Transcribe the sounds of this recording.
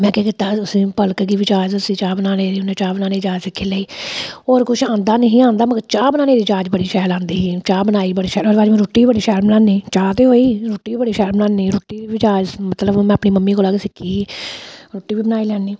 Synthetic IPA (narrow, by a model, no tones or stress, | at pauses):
mɛ̃ːkeːkɪt̪aːʊsĩːpəlkɡiːʋɪt͡ʃaːd͡ʒəsiːt͡ʃaːbənaːneːd̪iːʊnẽːt͡ʃaːbənaːneːd͡ʒaːd͡ʒsɪkʰːeːləiːoːɾkʊʃʰãːnd̪aːnəɦĩːãːnd̪aːməɡət͡ʃaːbənaːneːd̪iːd͡ʒaːd͡ʒbəɽiːʃɛːlãːnd̪iːɦiːt͡ʃaːbənaːiːbəɽiːʃɛːɾoːɾaːd͡ʒmɛ̃ːɾoːʈːiːibəɽiːʃɛːɾbənãːniːt͡ʃaːt̪eːɦoːiːɾoːʈːiːiːbəɽiːʃɛːɾbənaːniːɾoːʈːiːiːʋɪt͡ʃaːd͡ʒmət̪ləbmɛ̃ːəpniːməmːiːkoːlaɡesɪkʰiː | ɾoːʈːiːʋiːbənaːiːlɛːniː